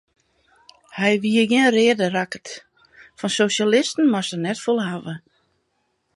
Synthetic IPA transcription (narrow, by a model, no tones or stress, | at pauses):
hɛjʋiəɡɪənrɪədərakə̥t | fɔnsoːʃalɪstən̩masənɛtfolˠhaʋə